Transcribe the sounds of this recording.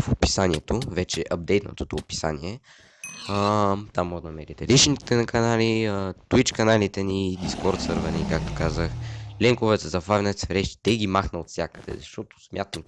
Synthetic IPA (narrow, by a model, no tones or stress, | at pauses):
fopi̥saniɛt̪ovɛt͡ʃɛʔɐb̚d̪ɛjt̪nə̰t̪ot̪opi̥sa̰nḭɛ | ət̪amːoɡ̪nɐmɛɾit̪ɛɾit͡ʃnit̪ɛkɐnaliət̪uit͡ʃkɐnalit̪ɛnid̪iskɔɾt̪sɤɾvənikak̚t̪o̥kazəxlɛŋkovɛt̪ɛzɐfavʲnɛt̪svɾɛʃi̥t̪ɛɡimaxnəot̪fsʲjakəd̪ɛ̰zɐʃt̪ot̪o̥smʲjʔat̪əm